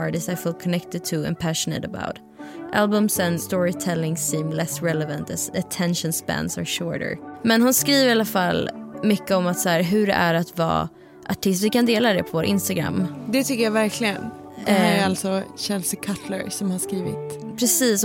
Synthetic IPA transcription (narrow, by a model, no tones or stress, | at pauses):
ɑɹɾɪsaɪfiːlˠkʰɔnɛkt̪ɪd̪̚t̪ʰʉɛ̰̃mpʰæʃənə̰ɾəba̰ʊt̪ | ʔalbɵmsɛnst̪ɔːɹɪt̪ʰɛlːɪŋsiːmlɛsɾɛləvə̃nt̪æsət̪ʰɛnʃə̃nsbæ̰̃nsa̰ɹʃɔːɹʈə̰ɹmɛnɦʊnskɾiːvəɾɪalafalmʏkːəɔmat̪sæːɾɦɵɖɛ̰ʔæɾat̪vɑ̰ː | ʔa̰ʈʰɪst̪vɪkand̪eːlad̪ɛpʰɔvoːɾʔɪ̰nst̪aɡɾa̰mːd̪ɛt̪ʰʏkːəɾjɑvæɾkʰlɪɡən | d̥̪ɛæalt̪sɔɕɛlsəkʰat̪ʰlə̰ɾsɔmhaʂkɾiːvɪ̰t̪pʰɾɛsiːs